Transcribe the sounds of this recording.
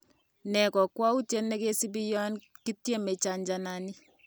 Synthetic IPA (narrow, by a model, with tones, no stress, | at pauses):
nɛ˨kɔ˨kwa˦u˦tje˦ne˦ke˦si˦bi˦jɔ˦nki˦tjɛ˦me˨t͡ʃa˨ɲd͡ʒa˨na˨ni˦